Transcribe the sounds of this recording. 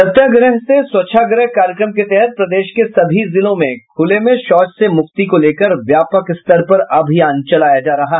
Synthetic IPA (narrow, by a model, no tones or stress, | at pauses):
sɐt̪jaɡɾəɦseswɐtːʃʰaɡɾəɦkaːɾjəkɾəmket̪ɛɦɛt̪̚pɾɐd̪eːʃkesɐbʱizɪlõmẽkʰʊlemẽʃɔːt͡ʃsemʊkt̪ikoleːkəɾʋjaːpəkɪst̪əɾpɐɾɐːbʱijaːnt͡ʃɐlaːjad͡ʒaːɾɐɦaː